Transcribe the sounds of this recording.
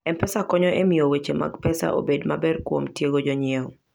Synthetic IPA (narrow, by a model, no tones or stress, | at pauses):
ɛmpɛsakɔɲɔʔemiowet͡ʃema̰ɡpɛsa̰ʔo̰bedmabɛrkwo̰mtjeɡod͡ʒɔɲiew